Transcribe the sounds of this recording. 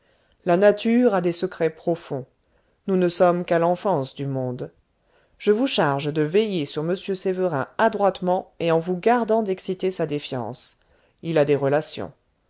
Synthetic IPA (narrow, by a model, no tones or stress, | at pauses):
lanat̪ʰyʁad̪esəkχɛpχɔfɔ̃ | nunəsɔmkalɑ̃fɑ̃sd̪ymɔ̃d̪ | ʒ̥əvuʃaʁʒd̪əvɛjesyʁməsjøsevəʁɛ̰̃ad̪ʁwat̪mɑ̃eɑ̃vuɡaʁd̪ɑ̃d̪ɛksit̪esad̪efjɑ̰̃s | ilad̪eʁəlasjɔ̰̃